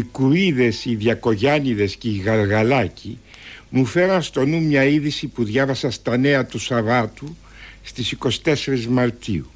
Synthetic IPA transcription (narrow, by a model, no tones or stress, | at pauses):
ikuiðe̞siðʝɐko̞ʝɐniðe̞sceiɣɐɾɣɐlɐcʰi | mufe̞ɾɐnst̪o̞numɲɐiðisipuðʝɐvɐsɐst̪ɐne̞ɐt̪usɐvɐt̪u | st̪isiko̞si̥t̪e̞se̞ɾizmɐɾt̪iu